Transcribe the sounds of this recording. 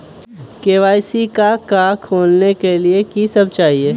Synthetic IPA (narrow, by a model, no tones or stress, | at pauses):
keːʋaːjsikakaːkʰoːlnekeliekisɐb̚t͡ʃaːɦieː